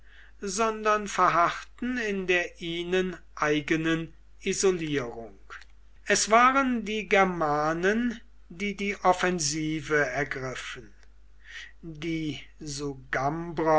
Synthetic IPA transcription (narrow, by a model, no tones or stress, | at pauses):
zɔndɐnfɛɐɦaχtn̩ɪndeːɐʔiːnən | ʔaɪɡənən | ʔizoliːʁʊŋk | ʔɛsv̥aːʁəndiːɡɛɐmaːnən | diːdiːʔɔfɛnziːvəɛɐɡʁɪfən̩ | diːzoɡambʁɐ